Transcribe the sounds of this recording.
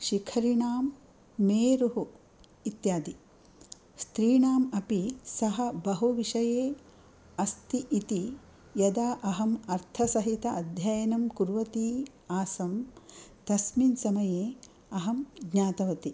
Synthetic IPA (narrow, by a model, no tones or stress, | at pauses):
ʃikʰɐɾiɳaːmː | eːɾuɦu | it̪jaːd̪i | st̪ɾiːɳaːmɐpisɐɦɐ̆bɐɦuʋiʃɐjeː | ɐst̪iʔːt̪i | jɐd̪aːʔɐɦɐmɐɾt̪ʰɐsɐɦit̪ɐɐd̪ʱjɐjɐnɐmkuɾʋɐt̪iː | aːsɐmt̪ɐsminsɐmɐjeː | ɐɦɐmɡɲaːt̪ɐʋɐt̪i